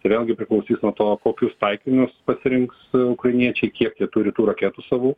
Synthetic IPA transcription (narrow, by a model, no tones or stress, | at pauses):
t̪ɐɪʋʲeːlˠɡʲɪpʲɾʲɪklˠɐʊsʲiːsnuɔt̪oːkoːkʲʊst̪ɐɪkʲɪnʲʊspɐsʲɪɾʲɪŋksʊkrɐɪnʲiɛt͡ʃʲɛɪkʲiɛkt̪ʲiɛt̪ʊɾʲɪt̪uːɾɐkʲeːt̪usɑːʋuː